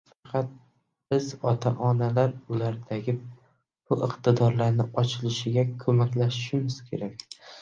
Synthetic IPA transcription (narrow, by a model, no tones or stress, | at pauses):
fɑqʰɑt̪̚ | b̥ɪzɒt̪ʰaʔɒnalaɾʊlaɾd̪aɡʲɪ | bʊʔɪqt̪ʰɪd̪ɒɾlaɾnɪʔɒt͡ʃʰɪlɪʃɪɡʲakʰɵmakʲlaʃɪʃɪmɪz̥kʲʰe̞ɾakʲ